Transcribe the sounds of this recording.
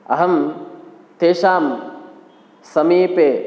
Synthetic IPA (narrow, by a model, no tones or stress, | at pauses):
ɐ̰ɦɐm | t̪eːʃaːm | sɐmiːpe